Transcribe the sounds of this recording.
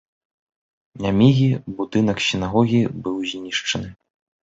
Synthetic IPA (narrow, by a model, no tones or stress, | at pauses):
nʲamʲiɣʲibud̪ɨnɐksʲinaɣɔɣʲibɨwzʲnʲiʂt͡ʂɐnɨ